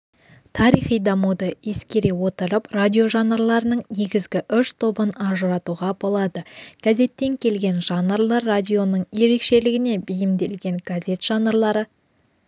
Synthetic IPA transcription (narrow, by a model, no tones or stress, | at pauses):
t̪ʰɑɾijχijd̪ɑmud̪əje̞skʲe̞ɾejwo̞t̪əɾəpradʲijo̞ʒɑnəɾlˠɑɾənəɴne̞ɡʲɪzɡʲɪʔʏʃt̪ʰo̞bənɑʒəɾɑt̪uʁɑbo̞lˠɑd̪əɡ̥aze̞t̪ːe̞ŋkʲʰe̞lɡʲe̞nʒɑnəɾlˠɑrːadʲijo̞nəɴje̞ɾe̞kʃe̞lɪɡʲɪne̞bɪjɪmd̪e̞lɡʲe̞ŋɡ̥aze̞t̪ʒ̥ɑnəɾlˠɑɾə